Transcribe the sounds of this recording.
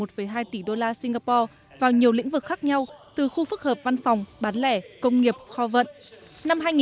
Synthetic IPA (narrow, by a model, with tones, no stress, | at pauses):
o˨˩t̚fə˨˩jɦaː˧jt̪i˧˩ɗo˧laː˧si˧ŋɣaː˧pɔ˧ | vaː˨˩wɲi˨˩əwlḭ˧˥ŋ̟vɨ˨˩k̚xaː˦˥k̚ɲa˧wt̪ɨ˨˩xu˧fɨ˦˥k̚həː˨˩p̚va˧nfa˨˩wŋ͡mɓaː˨˦nlɛ˧˩kə˧wŋ͡mŋi˨˩əp̚xɔ˧və̰˧˨n | na˧mɦaː˧jŋ˨